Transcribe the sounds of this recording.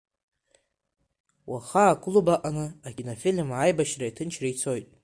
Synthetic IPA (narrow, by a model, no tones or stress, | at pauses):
wʔaχakʰʷʼʊlubaʔʼanɨakʰʲʼinofilmajbaʃraitʰɨnt͡ʃʰrait͡sʰojtʼ